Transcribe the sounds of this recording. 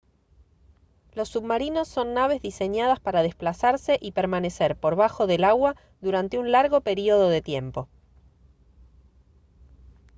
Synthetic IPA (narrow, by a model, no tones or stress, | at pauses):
lo̞sːuβmaɾino̞sːo̞nːaβ̞e̞zðise̞ɲað̞aspaɾað̞esplasaɾse̞ʔipeɾmane̞seɾpo̞ɾβ̞axo̞ðe̞laɣwa | ðuɾant̪e̞unlaɾɣo̞pe̞ɾio̞ð̞o̞ðe̞t̪je̞mpo